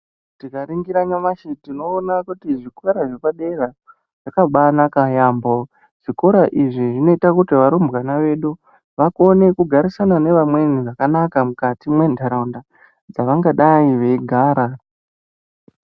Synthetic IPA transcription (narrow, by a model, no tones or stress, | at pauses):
tikaɾiŋɡiɾaɲamaʃitino̞ːnakutiʐikoɾaʐepaɗe̞ra | ʐ̥akaɓanakajambo | ʐ̥iko̞ɾaʔiʐiʐino̞itakutiʋaɾombwanaʋe̞ɗu | ʋako̞ne̞kuɡʱaɾisanane̞ʋamwe̞niʐakanakamukatimwe̞ndʱaɾaunda | d͡zaʋaŋɡaɗaiʋe̞iɡʱaːɾa